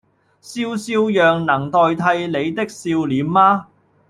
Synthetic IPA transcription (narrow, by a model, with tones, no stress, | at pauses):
siː˧wsiː˧wjœː˨ŋnɐ˨˩ŋt̪ɔː˨˧jt̪ʰɐ˧jle˨˧jt̪ɪ˥k̚siː˧wliː˨˥mːaː˥